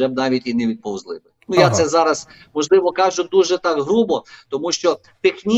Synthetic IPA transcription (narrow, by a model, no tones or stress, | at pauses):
ɛbnɑʋʲitʲinɛʋʲid̪̚pɔwzlˠɪʋɪnujat̪sɛzɑɾɐs | mɔʒlˠɪʋɔkɑʒʊd̪uʒɛt̪ɑkɦɾubɔt̪ɔmuʃt͡ʃɔ | p̪ɪxnʲi